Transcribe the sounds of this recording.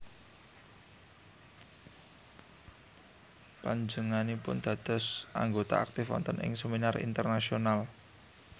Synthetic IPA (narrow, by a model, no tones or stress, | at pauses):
paɲd͡ʒəŋanipʊnd̪̥a̤d̪̥ɔ̤saŋɡot̪a̰ʔak̚t̪ɪfɔ̰nt̪ɔnɪ̰ŋsəminarḭnt̪ərnasional